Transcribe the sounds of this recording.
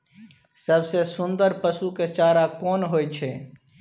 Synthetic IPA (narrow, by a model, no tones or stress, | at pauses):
səbsesʊ̃nd̪əɾpəsuket͡ʃaːɾakɔːnɦoːet͡ʃʰeː